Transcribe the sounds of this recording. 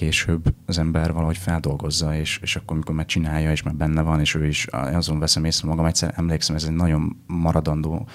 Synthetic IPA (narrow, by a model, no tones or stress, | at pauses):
keːʃøːbːɒzɛmbɛrvɒlɒɦo̞cfɛld̪o̞lɡo̞zːɒeːʃeːʃɒkːo̞ɾmiko̞ɾmaːɾt͡ʃinaːjːɒeːʃmaːbɛnːɛvɒneːʃøːiʃnɒzo̞ɱvɛsɛmeːsrɛmɒɡɒmɛct̪sɛ̰ɾɛmleːksɛmɛzɛɟnɒɟo̞mːɒɾɒd̪ɒnd̪oː